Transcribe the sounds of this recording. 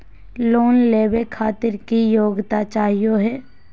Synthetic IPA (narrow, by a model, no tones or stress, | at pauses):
loːnleːbekʰaːt̪ɪɾkijoːɡt̪at͡ʃaːɦijoɦɛː